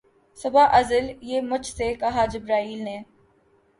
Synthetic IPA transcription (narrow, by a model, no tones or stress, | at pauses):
sʊbaːʔɐzəljeːmʊt͡ʃʰsekɐɦad͡ʒɪbɾaːiːlneː